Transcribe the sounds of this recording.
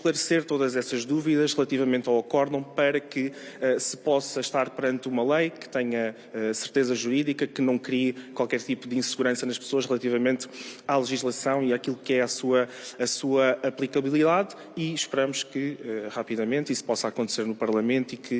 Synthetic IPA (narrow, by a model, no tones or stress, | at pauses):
ʃklˠɐɾseɾt̪oðɐzɛsɐʒðuviðɐʃʁɨlˠɐt̪ivɐmẽnt̪awɐkɔɾðɐ̃w̃pɐɾɐkɨɛsɨpɔsɐʃt̪aɾpɨɾɐ̃nt̪umɐlˠɐjkɨ̥t̪ɛɲɐ | ɛsɨɾt̪ezɐʒuɾiðikɐkɨnɐ̃w̃kɾikwalˠkɛɾt̪ipuðĩsɨɣuɾɐ̃sɐnɐʃpsoɐʃʁlˠɐt̪ivɐmẽnt̪alˠɨʒiʒlˠɐsɐ̃w̃iakilˠukɛasuɐːsuɐɐplˠikɐβilˠiðað | iʃpɨɾɐmuʃkɨɛʁapiðɐmẽnt̪isu̥pɔsaːkõnt̪seɾnupɐɾlˠɐmẽnt̪uikʰɨ